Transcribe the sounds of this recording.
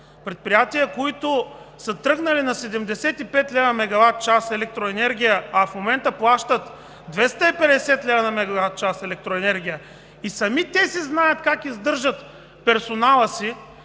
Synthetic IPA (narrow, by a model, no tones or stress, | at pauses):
pɾɛt̪̚pɾijat̪ijəkoit̪ʊsət̪ɾɤɡnɐlinɐsɛd̪ɛmd̪ɛsɛt̪ipɛt̪lʲɛvɐmɛɡɐvat̪̚t͡ʃasɛlɛk̚t̪ɾoɛnɛɾɡʲijəɐfmomɛnt̪əplˠaʃt̪ət̪ | d̪vɛst̪əipɛd̪ɛsɛt̪lʲɛvnɐmɛɡɐvat̪̚t͡ʃasɛlɛk̚t̪ɾʊɛnɛɾɡ̟ʲijə | isɐmit̪ɛsiznajət̪kakizd̪ɤɾʒət̪ | pɛɾsonalˠəsi